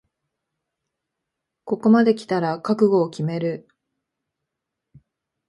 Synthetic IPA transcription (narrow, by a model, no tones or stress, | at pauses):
ko̞ko̞mad̪e̞kʲi̥t̪aɾakakɯ̟ɡo̞ːkʲime̞ɾɯ̟